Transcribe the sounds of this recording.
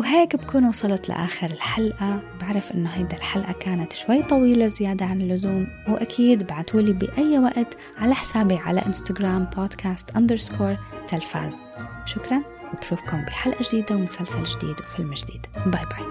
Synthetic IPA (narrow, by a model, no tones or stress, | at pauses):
wɦeːkbakuːnwɑsˤɑlɑt̪la̰ʔaːxɪɾɪlħalʔabaʕɾˤɪfʔɪnːʊɦajd̪alħalʔakaːnat̪ʃwajːt̪ˤɑwiːlazɪjaːd̪aʕanɪlːʊzuːmwʔakʰiːd̪baʕat̪walibḭʔajːwaʔt̪ | ʕalaħɪ̥saːbiʕa̰la̰ʔɪnst̪aɡɾaːmboːd̪kʰaːst̪ʔand̪əɾskʰoːɾt̪alfa̰ːz | ʃʊkɾˤɑn | ɪbɾuːfkʊmbiħalʔad͡ʒd̪iːd̪awmʊsalsald͡ʒd̪ḭːd̪wfɪlmd͡ʒd̪ḭːd̪bajbaj